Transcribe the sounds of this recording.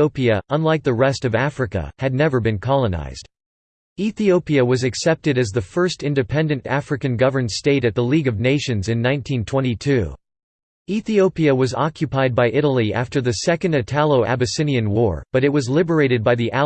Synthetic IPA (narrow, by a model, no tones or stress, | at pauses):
oʊpiɨʔə̃nlaɪk̚ðɨɹɛstʌvæfɹɨkə̰ɨdⁿnɛvə˞bɨ̃nkʰɑlˠəna̰ɪz̥d̥ | iθioʊpiɨwʌzɨksɛp̚tɨɾɨzðɨfɜ˞stɪ̃ndɨpʰɛ̃ndɨ̃ntæfɹɨkɨ̃nɡʌvə˞nsteɪɾɨt̪̚ðəliɡʌvneɪʃɨ̃nzɨ̃nːãɪ̃ntʰĩntʰw̥ɛ̃ñitʰʉ | iθioʊpiɨwʌzɑ̰kʰjɨpʰaɪd̚baɪʔɪɾl̩ˠiʔæ̰ftə˞ðɨsɛkɨ̃ndɨtʰælˠoʊʔæ̰bɨsɪ̃niɨ̃nwɔɹb̥ʌɾɨt̚wʌzlɪbə˞eɪɾɨd̚baɪðiʔæ